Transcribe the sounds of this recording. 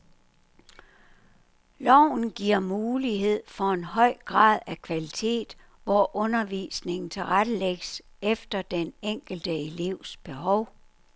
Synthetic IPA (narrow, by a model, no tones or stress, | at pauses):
lɒʊ̰n̩ɡ̥iɐ̰muːliɦe̝ð̞̰ˠfɒ̽e̝nɦɒ̽ɪ̰ɡ̥ʁɑ̰̈ːð̞ˠækʰʋælit͡sʰe̝̰ːd̥ | ʋɒʔɔ̽nɐʋḭsne̝ŋn̩t͡sʰe̝lʁad̥əleɡ̥əs | efd̥ɐd̥eneŋ̰ɡ̥l̩d̥əe̝le̝ʊ̰sb̥e̝ɦɒʊ